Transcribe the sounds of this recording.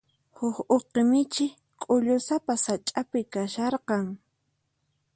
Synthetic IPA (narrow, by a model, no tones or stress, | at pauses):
hʊxoqemɪt͡ʃɪ | kʼʊʎʊsapasat͡ʃʼapɪkaʃɑɾqɑŋ